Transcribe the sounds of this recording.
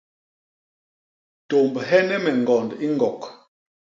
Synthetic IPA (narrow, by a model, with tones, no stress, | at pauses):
to˨mbɦɛ˦nɛ˦mɛ˨ŋ˨ɡɔ˨ndi˦ŋɡɔ˨k